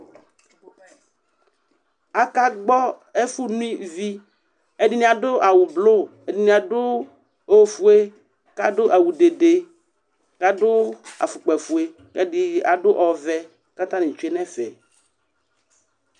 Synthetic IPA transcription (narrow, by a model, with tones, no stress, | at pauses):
a˨ka˦ɡ͡bɔ˦ | e˦fu˦nũ˦ĩ˦vi˦ | e˦di˦nĩ˨a˨ɖo˦ʔa˨wu˨blo˦˨e˦di˨nĩ˨a˨ɖo˦ | o˦fu˦e˦ | ka˦ɖo˦ʔa˨wu˨ɖe˨ɖe˨ | ka˦ɖo˦a̰˨fu˨k͡pɛ˨fu˨e˨ | kɛ˦di˦a̰˨ɖo˦ʔɔ˨vɛ˦ | ka˦t̪ã˦nĩ˨t͡ʃu˦e˦nɛ̃˦fɛ˨